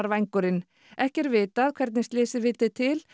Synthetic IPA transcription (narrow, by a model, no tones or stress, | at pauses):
ɾvajŋkʏɾɪn | ɛhcɛɾvɪːt̪aːðkʰvɛɾt̪nɪst̪lɪːsɪvɪːt̪ɪt̪ʰɪl